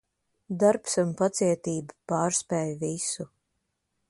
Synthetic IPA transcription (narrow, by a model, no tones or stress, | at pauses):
d̪aɾpsunpat̪siɛt̪iːbapaːɾspɛːjvisu